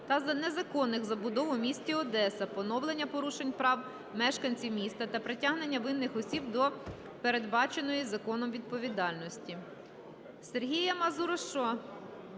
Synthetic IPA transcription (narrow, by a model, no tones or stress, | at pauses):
t̪ɐzɐnezɐkɔnːɪxzɐbʊd̪ɔʋʊmʲisʲtʲiɔd̪ɛsɐpɔnɔwlˠenʲːɐpɔɾuʃenʲpɾɑw | mɛʃkɐnʲt͡sʲiwmʲist̪ɐt̪ɐpɾetʲaɦne̞nʲːɐʋɪnːɪxɔsʲib̚d̪ɔ | peɾe̞d̪bɑt͡ʃe̞nɔjizɐkɔnɔmʋʲid̪̚pɔʋʲid̪ɑlʲnɔsʲtʲi | serɦʲijɐmɐzuɾɔʃt͡ʃɔ